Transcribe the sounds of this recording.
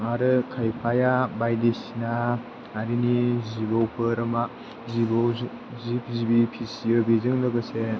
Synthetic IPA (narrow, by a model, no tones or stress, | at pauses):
ŋaɾɯkʰajpʰajabajdisinaː | ɾinizibawpʰɯɾɐma | zibɔw | zip̚ʰzibipʰisijɯbizɯŋlɯɡɯse